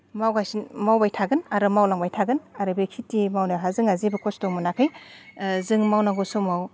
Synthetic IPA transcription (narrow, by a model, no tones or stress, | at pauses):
mawɡajsinmawbajtʰaɡɯnaɾɯmawlaŋbajtʰaɡɯnaɾɯbikʰitːimawnaɦazɯŋazibɯkʰɔstɔmunakʰɯj | zɯŋmawnaɡɔsumaw